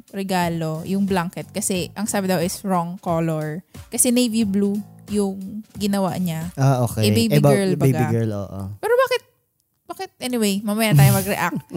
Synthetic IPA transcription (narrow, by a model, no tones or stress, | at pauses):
ɾɛɡaːlojʊŋblaŋkɛt̪̚kɐsɛʔɐŋsaːbɪd̪ɐwʔɪsɹoŋkoːloɹkɐsɛnɛjviblujʊŋɡɪnɐwa̰ʔɲaʔaʔoːkɛɛbejɪbɹlbejɡbiɡɛɹlo̰ːʔo̰pɛːɾobaːkɪt̪̚ | b̥aːkɪt̪̚ʔɛnɪwejmɐmɐjaːnt̪aːjomɐɡɾɛʔak̚t̪̚